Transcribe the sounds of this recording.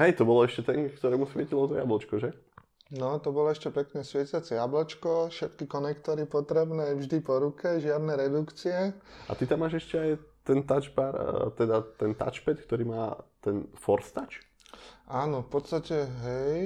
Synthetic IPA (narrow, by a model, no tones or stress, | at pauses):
ɦɛjt̪ɔbɔlɔɛʃcɛt̪ɛŋkt̪ɔɾɛːmusʋɪɛcilɔt̪ɔja̰blɔt͡ʃkɔʒɛ | nɔt̪ɔbɔlɔɛʃcɛpɛkɲɛsʋɪɛcat͡sɛjablɔt͡ʃkɔfʃɛt̪kikɔnɛkt̪ɔɾipɔt̪ɾɛbnɛːvʒd̪ipɔɾukɛʒɪad̪nɛɾɛd̪ukt͡siɛa̰t̪it̪amːaːʒɛʃcɛajt̪ɛnt̪ad͡ʒbaɾt̪ɛd̪at̪ɛnt̪a̰t͡ʃpɛt̪kt̪ɔɾiːmaːt̪ɛnfɔɾst̪at͡ʃ | ʔaːnɔfpɔt̪st̪acɛɦɛj